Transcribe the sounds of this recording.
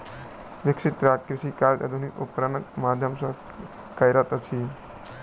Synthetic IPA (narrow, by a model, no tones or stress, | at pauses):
ʋɪkʃɪt̪ɾakɾɪʃikaːɾt̪ɐ̰d̪ʱunikʊ̰pkɾanɐk̚maːd̪ʱjəmsɐ | kɐjɾɐt̪ɐt͡ʃʰi